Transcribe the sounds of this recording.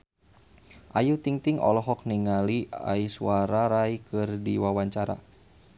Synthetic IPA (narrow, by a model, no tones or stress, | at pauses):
ʔajut̪iŋt̪iŋɔ̰lɔɦɔk̚niŋalia̰isuaɾaɾaikɨrdiwawaɲt͡ʃaɾa̰